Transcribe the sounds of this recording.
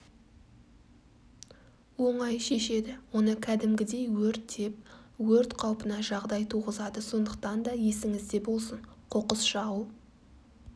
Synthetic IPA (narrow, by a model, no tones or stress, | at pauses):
wo̞ɴɑjʃe̞ʃe̞d̪ɪwo̞nəkʲʰæd̪ɪmɡʲɪd̪e̞jwɵɾt̪ːe̞p̚wɵɾt̪qʰɑwpənɑʒɑʁd̪ɑjt̪ʰuʁəzɑd̪əso̞nd̪əq̚t̪ɑnd̪ɑje̞sɪŋɪzd̪e̞bo̞lˠsəɴqʰo̞qəsʃɑu